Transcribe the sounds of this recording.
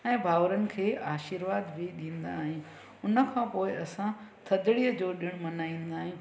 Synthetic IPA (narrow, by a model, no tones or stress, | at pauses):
ɛ̃ːbʱaːʋəɾənɪ̆kʰeːʔaːʃiɾʋaːd̪bʱiɗĩːnd̪aːɦɪ̃ | ʊnə̆kʰãːpoːɪɐsãt̪ʰɐd̪ɪɽiəd͡ʑoːɗɪɽ̃mɐnaːĩːnd̪aːɦẽ